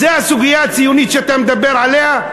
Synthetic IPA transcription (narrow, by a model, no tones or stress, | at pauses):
zehasʊɡɪjat̪sɪjunit̪ʃeat̪amd̪abːeɾʕaleha